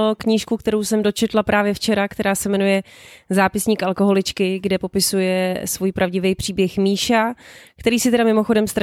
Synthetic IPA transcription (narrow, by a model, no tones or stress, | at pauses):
okɲiːʃkukt̪ɛɾo̞wsɛmdo̞t͡ʃɛt̪lapɾʔaːvjɛft͡ʃɛɾakt̪ɛɾaːsɛmɛnujɛzaːpɪsɲiːkʔalˠko̞ɦo̞lɪt͡ʃkɪɡdɛpo̞pɪsujɛsvuːjpɾʔavɟɪvɛjpr̥iːbjɛxmiːʃakt̪ɛɾiːsɪt̪ɛdamɪmo̞xo̞dɛmst̪ɾ